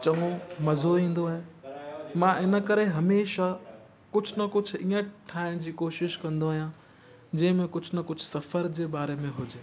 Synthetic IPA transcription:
t͡ɕɐŋõmɐzoĩːn̆d̪oaːɦe | mãʔɪnə̆kɐɾeɦɐmeːʃa | kʊd͡ʑʱʊnɐkʊd͡ʑ̆ʱʰiːə̃ʈʰaːɪɽ̃d͡ʑiːkoːʃɪʃkɐ̃nd̪oaːɦijã | d͡ʑɐ̃ːɪ̃mẽkʊd͡ʑʰʱnɐkʊd͡ʑʱsɐfəɾd͡ʑeːbaːɾemẽɦʊd͡ʑe

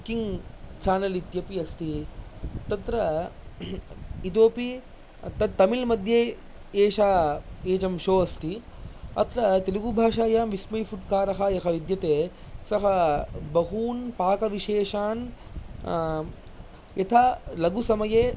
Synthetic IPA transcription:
kiŋɡt͡ʃaːnɐlit̪jɐpiɐst̪i | t̪ɐt̪ɾɐ | it̪̬oːpi | t̪ɐd̪t̪ɐmilmɐd̪ʱjeː | eːʃaːeːt͡ʃɐmʃoːɐst̪ʰi | ɐ̰t̪ɾɐt̪eliɡubʱaːʃaːjaːmʋismɐjfuʈ̚kaːɾɐɦɐjɐkʰɐʋid̪jɐt̪eː | sɐɦɐbɐɦuːnpaːkɐʋiʃeːʃaːn | jɐt̪ʰalɐɡusɐmɐjeː

